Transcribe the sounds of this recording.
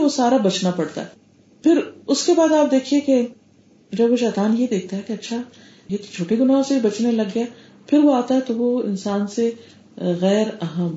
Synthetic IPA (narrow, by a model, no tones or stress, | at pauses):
ʋosaːɾabɐt͡ʃnapɐɽt̪a̰ɦɛ | pʰɪɾʊskebaːd̪aːp̚d̪eːkʰieke | d͡ʒɐbʋoʃɛːt̪aːnjed̪eːk̚ʰt̪aɦɛkeɐtːʃʰa | jet̪o̥t͡ʃʰoːʈeɡʊnaːɦõseibɐt͡ʃnelɐɡːɐja | pʰɪɾʋoaːt̪aɦɛt̪oʋoɪ̰nsaːnse | ɣɛːɾɐɦəm